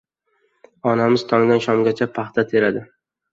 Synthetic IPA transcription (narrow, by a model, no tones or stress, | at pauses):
ɒnamɪz̥t̪ʰɒŋɡʲanʃɒmɡʲat͡ʃʰapʰaχt̪ʰat̪ʰe̞ɾad̪ɪ